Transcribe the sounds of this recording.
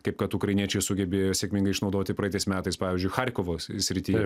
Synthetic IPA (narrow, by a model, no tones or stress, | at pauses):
kɐɪp̚kɐt̪uːkɾɐɪnʲiɛt͡ʃʲɛɪsʊɡʲɛbʲɪsʲekmʲɪŋɡɐɪʃnɐʊd̪oːt̪ʲɪpɾɐɛt̪ɐɪsmʲæːt̪ɐɪspɑːʋʲɪzʲd͡ʒʊɪxɐɾʲkoʋoːsʲɾʲɪt̪ʲiːjɛ